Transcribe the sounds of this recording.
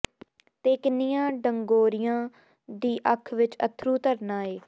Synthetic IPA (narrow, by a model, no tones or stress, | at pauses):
t̪eːknɪjãːɖəŋɡoːɾɪjãː | d̪iːʔəkʰʋɪt͡ʃət̪ʰɾuːt̪əɾnãːeː